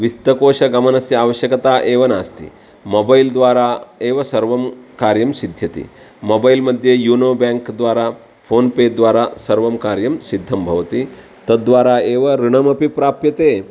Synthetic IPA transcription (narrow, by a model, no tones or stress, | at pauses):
ʋist̪ɐkoːʃɐɡɐmɐnɐsjɐaːʋɐɕjɐkɐt̪aːʔeːʋɐnaːst̪ḭ | mobɐild̪ʋaːɾaeːʋɐsɐɾʋɐmkaːɾjɐmsid̪ʱjɐt̪ḭ | mobailmɐd̪ʱːjejuːnoːbaːŋkd̪ʋaːɾa | fʰoːnpeːɖd̪ʋaːɾasɐɾʋɐmkaːɾjɐmsid̪ʱːɐmbʱɐʋt̪i | t̪ɐd̪ʋaːɾaeːʋɐɾiɳ̃ɐmɐpipɾaːpjɐt̪eː